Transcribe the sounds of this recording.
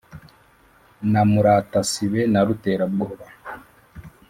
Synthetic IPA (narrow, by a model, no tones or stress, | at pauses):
namuɾatasiβɛnaɾutɛɾabɡɔβa